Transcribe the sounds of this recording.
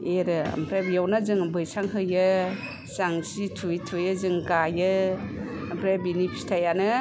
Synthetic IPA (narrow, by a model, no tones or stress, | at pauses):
eɾɯa̰mpʰɾabjawnazɯŋbɯjsaŋɦɯjɯ | saŋsitʰujtʰujɯzɯŋɡajɯ | ampʰɾabinipʰi̥stʰajanɯ